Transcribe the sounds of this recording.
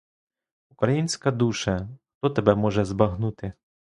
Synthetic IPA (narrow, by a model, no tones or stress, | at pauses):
ukɾɐjinʲsʲkɐd̪uʃɐxt̪ɔt̪ɐbɛmɔʒɛzbɐɦnut̪ɪ